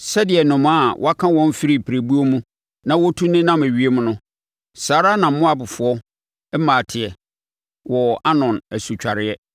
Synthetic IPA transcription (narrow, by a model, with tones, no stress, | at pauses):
sɛ˦dɪ˨ɛ˨nʊ̃˨m˦a˦˨wʔɔ̰˦a˦kʰã˦wɔ̃˦m˦fɪ˦ɾi˦˨pʰɪ˨ɾæ˨bu˦o˦mũ˦ | nã˦wɔ˦tʰu˦nɪ̃˦nã˦mæ˨ɥi˦e˦mʊ̃˦nʊ̃˦ | saː˨˦ɾa˦nã˨m̩˦mʊ̃˦a˨bʊ˨fʊ˨ɔ˦ | ɛ˦mãː˨tʰɪ˨ɛ˨ | wɔ˨a˦nɔ̃˨næ˨su˨t͡ɕᶣa˨ɾɪ˦ɛ˦